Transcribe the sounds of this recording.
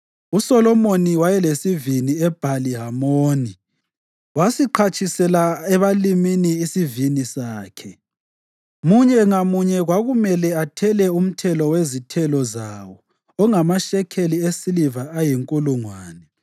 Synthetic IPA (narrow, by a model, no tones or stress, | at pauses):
usɔlɔmoniwajɛlesiviniɛb̥ʱaliɦamoːni | wasiǃʰat͡ʃʼʰisɛlaɛβaliminiːsivinisaːkʰɛ | muɲɛŋamuɲɛɣwaɣumɛlɛatʰɛlɛum̩tʰɛlɔwezitʰɛlɔzawɔː | ŋamaʃɛkʰeliesilivaajiŋkʼuluŋwaːnɛ